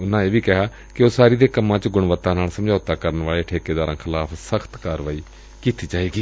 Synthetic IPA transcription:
ʊnãːeːʋiːkɛɦaː | kɪoːsaːɾiːd̪eːkəmːãːt͡ʃɡʊɳʋət̪ːãːnaːlsəmd͡ʒaːʊt̪aːkəɾənʋaːɭeːʈʰeːkeːd̪aːɾãːkʰɪlaːpʰsəkʰt̪kaːɾʋaːiː | kiːt̪iːd͡ʒaːeːɡiː

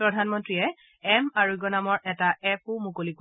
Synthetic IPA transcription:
pɹɔdʱanmɔntɹiɛ | ɛmaɹuɡɔnamɔɹʔɛtaɛp̚ʰumukolik

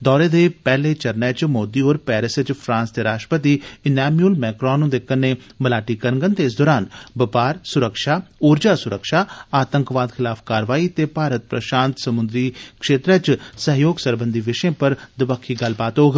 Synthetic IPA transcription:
d̪ɔːɾeːd̪eːpɛːleːt͡ʃəɾnɛːt͡ʃmoːd̪iːɦoːɾpɛːɾɪsət͡ʃpʰɾãːnsd̪eːɾaːʃʈɾəpət̪iːɪnɛːmuəlmɛːkɾɔ̃ːnːũːd̪ekʰːənːeːməlaːʈiːkəɾəŋɡənt̪eɪs̬d̪ɔːɾaːnbəpaːɾsʊɾəkʃaːoːɾd͡ʒaːsʊɾəkʃaːaːt̪əŋkʋaːd̪kʰɪlaːpʰkaːɾʋaːiːt̪eːpaːɾət̪̚pɾə̰ʃaːnt̪səmʊnd̪ɾiːkʃeːt̪ɾɛːt͡ʃsəɦjoːɡsəɾbə̃nd̪ʱiʋɪʃẽːpəɾd̪ɪbəkʰːiːɡəlbaːt̪ɦoːɡ

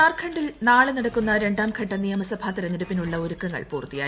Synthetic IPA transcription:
aːrkʰɐɳɖilnaːɭɨnɐɽɐkːunːɐɾe̞ɳɖaːmkʰɐʈːɐnijɐmɐsɐbʱaːt̪ɐɾɐniɾupːinuɭːɐoɾukːɐŋːɐ̰ɭpuːrt̪ːija̰ː

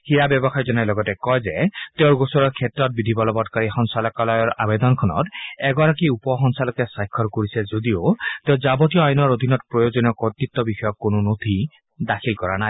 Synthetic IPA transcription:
hiɹabjɔbɔxajzɔnajlɔɡɔtɛkɔjzɛteʊɹɡosɔɹɔɹkʰɛtɹɔt̚bid̪ʱibɔlɔbɔtkaɹixɔŋsalɔkalɔjɔɹʔa̰bed̪ɔnkʰɔnɔ̰tɛɡɔɹakiupɔɦɔŋsalɔkɛsajkʰːɔɹkoɹisɛzodioteʊ̃zabɔtijɔajnɔɹod̪ʱinɔtpɹɔjozɔnijɔkɔt̪ːit̪ːɔbixɔjɔkːonʊnot̪ʰi | daxʰilkɔɹanaj

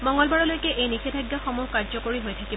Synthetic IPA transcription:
mɔŋɡɔlbaɹɔlojkɛʔejnixedʱaɡjaxomuhkaɹzɔkoɹiɦojtʰakib

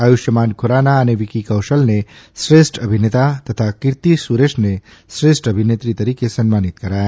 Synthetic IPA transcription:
aːjuʃjəmaːnkʰoɾaːnaəneʋikikɐwʃəlnesɾesʈəbʱinet̪at̪ɐt̪ʰakiɾt̪isuɾeʃne | sɾesʈəbʱinet̪ɾit̪ɐɾiːkesənmaːnit̪kɐɾaːe

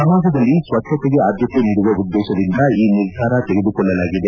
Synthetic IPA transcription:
sɐmaːɡʱɐd̪ɐlːisʋɐt͡ʃːʃɐt̪eɡeaːd̪jɐt̪uniɽuʋɐud̪ːɛːʃɐd̪ind̪ɐiːniɾɡʱaːɾɐt̪eɡed̪ukɔɭːɐlaːɡid̪e̞

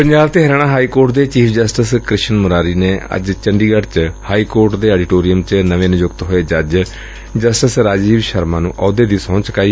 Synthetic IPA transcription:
pəɲd͡ʒaːbt̪eːɦɾaːɽãːɦaːiːkoːɾʈd̪eːt͡ʃiːpʰd͡ʒəsʈəskɾɪʃənmʊɾaːɾiːneːə̰d͡ʒt͡ʃəɳɖiːɡəʈt͡ʃhaːiːkoːɾʈd̪eːɛːɖɪʈoːɾijəmt͡ʃnəʋẽːnʊd͡ʒʊkt̪ɦoːeːd͡ʒəd͡ʒ | d͡ʒəsʈəsɾaːd͡ʒiːbʃəɾmãːnũːʔɔːd̪eːd̪iːsɔ̃ːt͡ʃkaːiː

